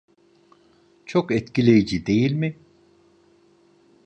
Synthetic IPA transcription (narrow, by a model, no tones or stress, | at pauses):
t͡ʃʰokɛt̪cilʲejid͡ʒid̪e̞jilʲmi